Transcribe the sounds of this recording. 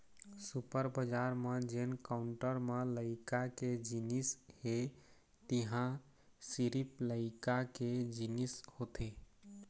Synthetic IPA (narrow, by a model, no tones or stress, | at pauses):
supəɾbəd͡ʒaɾmed͡ʒenkaʊɳʈəɾmeləɪkaked͡ʒinishe | t̪iɦã | siɾipləɪkaked͡ʒinishot̪ʰe